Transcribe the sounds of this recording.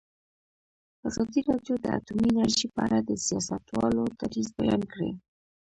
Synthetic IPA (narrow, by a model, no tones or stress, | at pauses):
azɑd̪iɾɑɖjod̪əa̰t̪uminaɾʒipəaɽad̪əsijɑsat̪wɑlot̪aɾizbajɑnkɽḛ